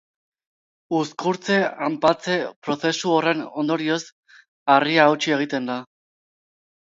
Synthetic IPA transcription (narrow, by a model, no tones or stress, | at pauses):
uskuɾt͡se̞ampat͡se̞pɾo̞θe̞suo̞re̞no̞nd̪o̞ɾio̞s | ariaːwt͡ʃie̞ɣ̞it̪e̞nd̪a